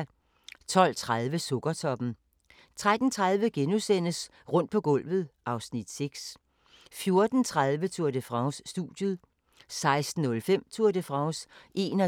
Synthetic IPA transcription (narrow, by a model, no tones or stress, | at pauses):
t͡sʰɒ̽l̰t͡sʰʁaðˠʋəsɔɡ̥ɐt͡sʰɒ̽b̥n̩ | t͡sʰʁad̥n̩t͡sʰʁaðˠʋəɡ̥enusen̰əs | ʁɔ̽n̰d̥̚pʰɒ̽ɡ̥ɔ̽l̰ʋð̞̩ˠʔɑ̈ʊsnid̥seɡ̥s | fjo̝ɐd̥n̩t͡sʰʁað̞ˠʋət͡sʰuɐd̥əfʁɑ̈ʊsːd̥ṵd̥juð̩ˠ | sɑ̈ɪsd̥n̩ːɔ̽lfem̰t͡sʰuɐ̰dəfʁɑ̈ʊsʔe̝ːnɒ